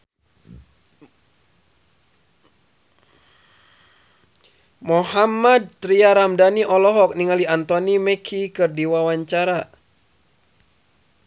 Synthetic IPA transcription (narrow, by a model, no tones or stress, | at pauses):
mɔɦamad̪̚t̪ɾiaɾamdaniʔɔlɔɦɔk̚niŋaliant̪ɔnimɛkʰikɨrdiwawaɲt͡ʃaɾa